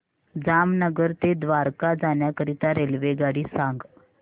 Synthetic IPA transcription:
d͡zamnəɡəɾt̪ed̪ʋaɾkad͡zaɳjakəɾit̪aɾelʋeɡaɽiːsãŋɡ

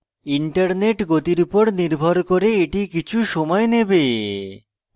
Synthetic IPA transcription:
iɳʈaɾneʈɡot̪iɾupoɾniɾbʱoɾkoɾeeʈikit͡ɕʰuʃɔmɔenebe

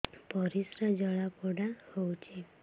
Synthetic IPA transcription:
pɔɾisɾad͡ʒɔɭapɔɽahowt͡ʃʰe

